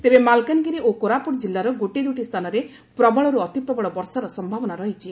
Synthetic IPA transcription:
t̪ebemalkanɡiɾeʔokoɾapuɾd͡ʒilːaɾɔɡoʈid̪uʈist̪ʰanɔɾe | pɾɔbɔɭɔɾuɔt̪ipɾɔbɔɭɔbɔɾsaɾɔsɔmbʱabɔnaɾɔɦit͡ʃʰi

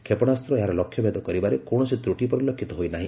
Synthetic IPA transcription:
kʰepɔɽ̃ast̪ɾɔeɦaɾɔlɔkʰːjɔbʱed̪ɔkɔɾibaɾekoɽ̃ɔsit̪ɾuʈipɔɾilɔkʰːit̪ɔɦojnaɦḭ̃

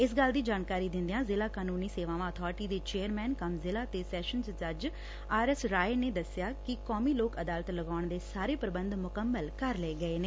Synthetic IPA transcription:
ɪs̬ɡəld̪iːd͡ʒaːnkaːɾiːd̪ɪ̃nd̪ejãːzɪlaːkaːnuːniːseːʋãːʋãːət̪ʰɔːɾʈiːd̪eːt͡ʃeːəɾmɛːnkəmzɪlaːt̪eːsɛːʃənt͡ʃd͡ʒəd͡ʒ | aːɾɛsɾaːeneːd̪əsɪjaːkɪkɔːmiːloːkəd̪aːlət̪ləɡaːɳd̪eːsaːɾeːpəɾəbənd̪mʊkəmːəlkəɾleːɡəeːneː

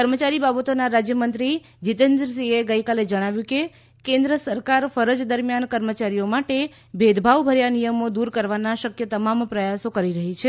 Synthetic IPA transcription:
kəɾmət͡ʃaɾibabət̪onaɾad͡ʒjəmənt̪ɾi | d͡ʒit̪ẽnd̪ɾəs̬ieɡəikaled͡ʒəɽ̃aʋjũke | kẽnd̪ɾəsəɾkaɾfəɾəd͡ʒd̪əɾmjankəɾmət͡ʃaɾijomaʈe | bʱed̪bʱaʋbʱəɾjanijəmod̪uɾkəɾʋanaʃəkjət̪əmampɾəjasokəɾiɾəɦit͡ʃʰe

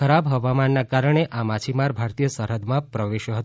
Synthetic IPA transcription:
əɾabɦəʋamanːakaɾəɳ̃eʔamat͡ʃʰimaɾbʱaɾt̪ijəsəɾɦəd̪mãpɾəʋeʃjəɦət̪

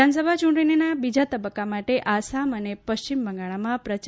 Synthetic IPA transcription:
anəs̬əbʱat͡ʃuɳʈəninabid͡ʒat̪əbəkːamaʈeʔasamənepəʃt͡ɕimbʱə̃ŋɡaɭamãpɾət͡ʃ

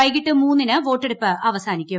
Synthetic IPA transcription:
ɐjkiʈːɨmuːnːinɨʋo̞ːʈːeɽupːɨʔɐʋɐsaːnikʲːu

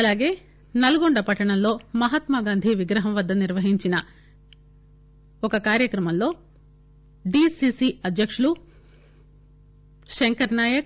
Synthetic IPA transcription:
ɐlaːɡe̞ː | nɐlɐɡoɳɖɐpɐʈːɐɳɐmlo̞ːmɐɦɐt̪maɡaːnd̪ʱiʋiɡɾɐɦɐmʋɐd̪ːɐniɾʋɐɦiɲt͡ʃinɐ | ɔkɐkaːɾjɐkɾɐmɐmlo̞ː | ɖisiːsiɐd̪jɐkʂulu | ʃeŋkɐɾnaːjɐk̚

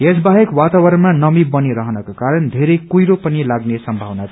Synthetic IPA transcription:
esbaɦekwat̪awʌɾʌnmanʌmibʌniɾʌɦʌnʌkokaɾʌnd̪ʱeɾekujɾopʌnilaɡnesʌmbʱʌwnat̪ʰ

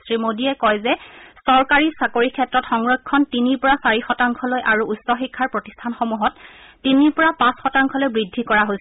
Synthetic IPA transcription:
stɹimodiɛkɔjzɛsɔɹkaɹisakoɹikʰɛtɹɔtxɔŋɹɔkʰːɔntiniɹpɔɹasaɹixɔtaŋkʰɔlojʔaɹuusɔxikʰːaɹpɹotistʰanxomuɦɔtːiniɹpɔɹapãsxɔtaŋkʰɔlojbɹidʱːikɔɹaɦojsɛ

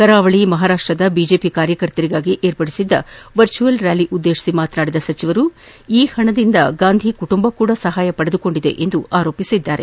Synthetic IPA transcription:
kɐɾaːʋɐɭimɐɦaːɾaːʂʈɾɐd̪ɐbiːd͡ʒe̞ːpikaːɾjɐkɐɾt̪ɐɾiɡaːɡiʔeːɾpɐɽisid̪ːɐʋɐɾt͡ʃuʋɐlɾjaːliʔud̪ːeːʃi̥simaːt̪naːɽid̪ɐsɐt͡ʃiʋɐɾu | iːhɐɳɐd̪ind̪ɐɡaːnd̪ʱikuʈumbɐkuːɽɐsɐɦaːjɐpɐɽed̪uko̞ɳɖid̪e̞̰ʔend̪uaːɾo̞ːpisid̪ːaːɾḛ

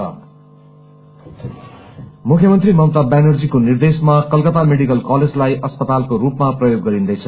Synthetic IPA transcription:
ʌ | mukʰjʌmʌnt̪rimʌwt̪abanʌrd͡zikonird̪esmakʌlkʌt̪ameɽikʌlkʌled͡zlajʔʌspʌt̪alkorupmaprʌjoɡːʌɾind̪ʌjt͡sʰʌ

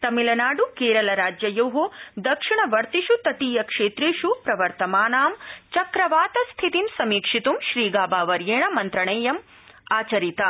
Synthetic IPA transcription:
t̪ɐmilɐnaːɖukeːɾɐlɐɾaːd͡ʒjɐjɐwɦod̪ɐkʂiɳɐʋɐɾt̪iʃut̪ːɐt̪iːjɐkʂeːt̪ɾiːʃupɾɐʋɐɾt̪ɐmaːnaːmt͡ʃɐkɾɐʋaːt̪ɐst̪ʰit̪imsɐmiːkʂit̪umʃɾiːɡaːbaːʋɐɾjeːɳɐmɐnt̪ɾɐɳeːjɐm | aːt͡ʃɐɾit̪ɐ

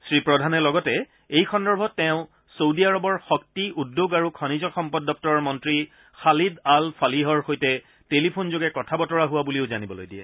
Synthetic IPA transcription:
sɹipɹɔdʱanɛlɔɡɔtɛ | ejxɔndɔɹbʱɔtːɛʊ̃ | sowdiaɹɔbɔɹxɔk̚tiudːoɡaɹukʰɔnizɔxɔmpɔdːɔk̚tɔɹɔɹmɔntɹi | xalidalpʰaliɦɔɹxojtɛ | telipʰonzoɡɛkɔtʰabɔtɔɹaɦʊwabuliʊzanibɔlo̰jdiɛ̰

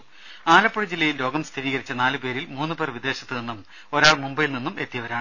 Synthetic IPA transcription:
aːlɐpːoɽid͡ʑilːɐjillo̞ːɡɐmst̪ʰiɾiːɣɐɾit͡ɕːɐnaːlɨpe̞ːɾilmuːnːupe̞ːrʋid̪e̞ːɕɐt̪ːɨninːum | o̞ɾaːɭmumbɐjilninːume̞t̪ːijɐʋɐɾaːɳɨ

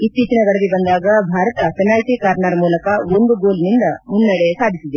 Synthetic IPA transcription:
it̪ːit͡ʃɐnɐɡɐɽɐd̪ibɐnd̪aːɡɐbʱaːɾɐt̪ɐt͡ʃɐnaːjsikaːɾnaːɾmuːlɐkɐwond̪uɡoːlnind̪ɐmunːɐɽesaːd̪ʱisid̪e

